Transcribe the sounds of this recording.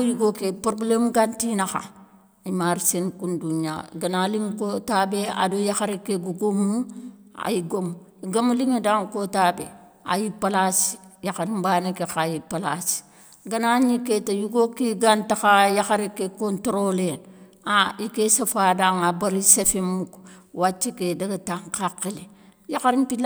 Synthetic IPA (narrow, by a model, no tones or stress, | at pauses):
ojuɡokepɾoblemɡantinaxa̰ | imaɾsenkunduɲa̰ɡɐnaliŋkotabea̰dojaxaɾekːeɡuɡomːua̰jiɡom | iɡamuliŋedaŋkotabe | a̰jipalasi̥jaxaɾimbanekexajipalasi̥ | ɡɐnaɲiketajuɡokiɡantakajaxaɾikekontɾolen | aikesafadaŋabaɾisefemukwat͡ʃːekedaɡataŋkaqːile | jakaɾimpil